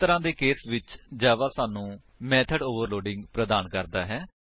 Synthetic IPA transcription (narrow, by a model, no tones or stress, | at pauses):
t̪əɾãːd̪eːkeːsʋɪt͡ʃd͡ʒaːʋaːsaːnũː | mɛːt̪ʰəɖoːʋəɾloːɖɪ̃ŋɡpɾəd̪aːnkəɾd̪aːɦɛː